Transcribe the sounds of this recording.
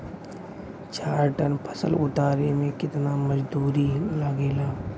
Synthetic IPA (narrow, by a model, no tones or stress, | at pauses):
t͡ʃaːɾʈənpʰə̥sə̰lʊt̪aːɾemẽkɪt̪namɐd͡ʒd̪uːɾilɐɡeːlaː